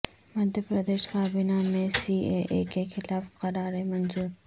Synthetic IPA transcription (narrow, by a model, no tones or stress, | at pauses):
mɐd̪ʱjəpɾɐd̪eːʃkaːbɪnamẽsiːeʔekexɪlaːfqɐɾaːɾemɐnzuːɾ